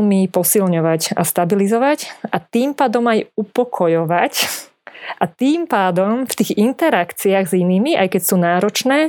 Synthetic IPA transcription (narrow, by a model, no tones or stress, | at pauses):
lmipɔsilɲɔʋaca̰st̪abilizɔʋacʔat̪iːmpaːd̪ɔmajupɔkʰɔjɔʋac | ʔat̪iːmpaːd̪ɔmft̪iːɣint̪ɛɾakt͡siaɣziniːmiʔa̰jkɛcsuːnaːɾɔt͡ʃnɛː